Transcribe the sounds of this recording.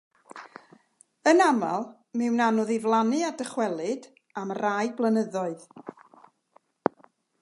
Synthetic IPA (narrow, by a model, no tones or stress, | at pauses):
ənama̰lˠ | mɪwnanɔðivlˠanɨadəχwɛlˠɨd | amrajblˠənəðɔɨð